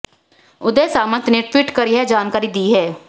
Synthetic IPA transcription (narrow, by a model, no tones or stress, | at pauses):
ʊd̪eːsaːməɾt̪nẽːʈwɪʈkəɾiːɦɛːd͡ʒaːnkaːɾiːd̪iːɦɛː